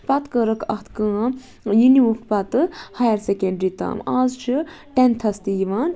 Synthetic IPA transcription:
pɐt̪kəɾəkɐxt̪kə̃ː | jiniwuxkpɐt̪ɨhajɐɾsekeɳɖɾit̪a̰ːmaːzt͡ʃʰi | ʈent̪ʰɐst̪ijiʋaːn

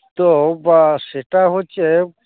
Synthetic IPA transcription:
t̪obaseʈaɦot͡ʃʰe

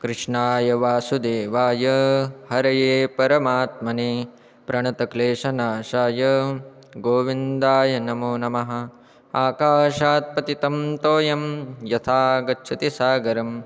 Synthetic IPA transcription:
kɾɨʂɳaːjɐʋaːsud̪eːʋaːjɐhɐɾɐjeːpɐɾɐmaːt̪̚mɐneː | pɾɐɳɐt̪ɐkleːʂɐnaːʃaːjɐ | ɡoːʋind̪aːjɐnɐmuːnɐmɐɦɐ̆ | aːkaːʃaːt̪̚pɐt̪it̪ɐmt̪oːjɐmjɐt̪ʰaːɡɐtːt͡ʃʰɐt̪isaːɡɐɾɐm

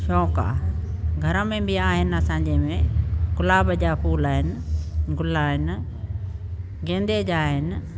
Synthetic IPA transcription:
ʃɔːka̰ | ɡʱɐɾəmẽbɪaːɦɪnɪ̆ɐsãːɲd͡ʑemẽɡʊlaːbəd͡ʑapʰuːlaːɦɪnɪ̆ɡʊlaːɦɪnɪ̆ | ɡẽːnd̪ed͡ʑaːɦɪnɪ̆

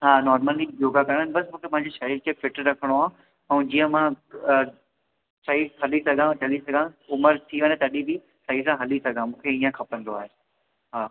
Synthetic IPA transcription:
ɦaːnɔːɾməlid͡ʑoːɡakɐɽ̃ənɪbɐsmũːkʰemɐ̃ɦɪ̃ɲd͡ʑeʃɐɦiɾkʰefɪʈɾɐkʰəɽ̃oaːɦũ | ɛ̃ːd͡ʑijə̃mã | sɐiːkʰɐlisɐɡʱãt͡ɕɐlisɐɡʱãʊməɾt̪ʰiʋə̃nẽt̪ɐɗibi | sɐɦisãɦɐlisɐɡʱãmũːkʰeiːə̃kʰɐpə̃nd̪oaːɦeː | ɦaː

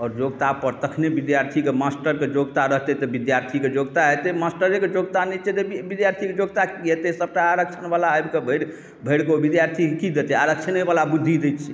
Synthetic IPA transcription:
ɔːɾd͡ʒoɡt̪apəɾt̪əkʰnebid̪jaɾt̪ʰikemasʈəɾked͡ʒoɡt̪aɾəɦt̪ɛt̪ɔbid̪jaɾt̪ʰiked͡ʒoɡt̪aɦɛt̪emasʈəɾeked͡ʒoɡt̪anɛt͡ʃʰɛt̪ebid̪jaɾt̪ʰiked͡ʒoɡt̪aket̪esəb̚ʈaaɾək̚t͡ʃʰənbalaəjbkebʱəɽ | bʱəjɽkebid̪jaɾt̪ʰikekid̪et̪ɛaɾək̚t͡ʃʰənɛbalabud̪ʱːid̪et͡ʃʰi

